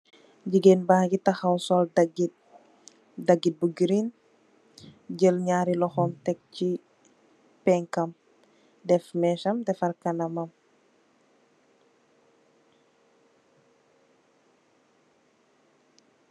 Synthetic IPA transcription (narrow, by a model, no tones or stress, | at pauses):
ɟiɡenbahɡitɐxɐwsɔldɐɡi | dɐɡit̚buɡiɾin | ɟəlɲaːɾilɔxɔmtɛk̚ci | pɛŋkɐm | dɛfmɛːʃɐmdɛfɐrkɐnɐmɐm